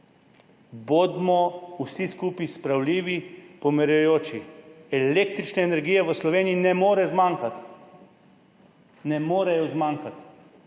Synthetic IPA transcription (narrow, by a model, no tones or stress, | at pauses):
bod̪mɔusiskuːpispɾawliːʋipɔmɛɾjujoːt͡ʃiɛleːk̚t̪ɾit͡ʃnɛːnɛɾɡiːjɛʋəslɔʋeːniinɛmoːɾɛzmaŋkat̪ | nɛmoːɾɛjɔzmaːŋkat̪